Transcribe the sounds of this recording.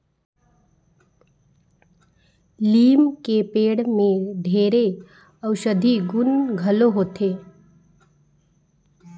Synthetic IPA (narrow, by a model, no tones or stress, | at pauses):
liːmkepeːɽmẽd̪ʱeːɾe | əʊʃəd̪ʱiɡʊnɡʱəloɦoːt̪ʰeː